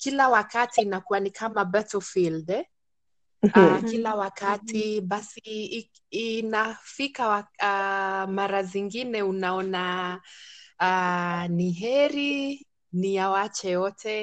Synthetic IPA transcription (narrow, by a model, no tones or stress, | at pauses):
kilawakatiːnakuwanikʰamabɛtɔfildɛ | akilawakatiɓasiː | nafikawaamaɾaziŋɡinɛunaɔna | aniɦɛɾi | nijawat͡ʃɛjɔtɛ